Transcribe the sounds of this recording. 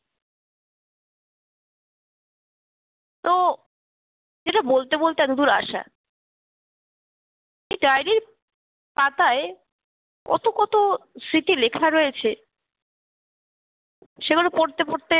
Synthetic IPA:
t̪o | d͡ʑeʈabolt̪ebolt̪ead̪ud̪uɾa̰ʃa̰ | ejɖajniɾ | pat̪ae | kɔ̰t̪okɔt̪osiʈilekʰaɾojet͡ɕʰe | ʃeɡulopoɾt̪epoɾt̪e

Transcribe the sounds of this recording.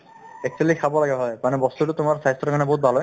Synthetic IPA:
ek̚sʰelikʰabolaɡeɦɔemanebɔst̪uʈut̪omaɾsaist̪ɾokʰanebɔɦut̪bʱalo

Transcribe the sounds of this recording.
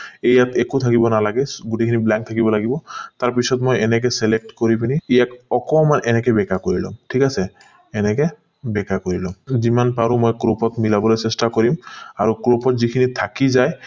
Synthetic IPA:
ejatekut̪ʰakibɔnalaɡɛɡutekʰiniblaŋk̚t̪ʰakibɔlaɡibɔt̪aɹpisɔtmojɛnɛk̬ɛsɛlek̚ʈkoɹipiniijakɔkɔmanʔɛnɛkɛbɛkakoɹilɔ̰mʈʰikasɛː | nɛkɛ | bɛkakoɹilɔmzimanpaɹumojkɹopɔtmilabɔlojsestakoɹimaɹukɹopɔtzikʰinit̪ʰakizaj

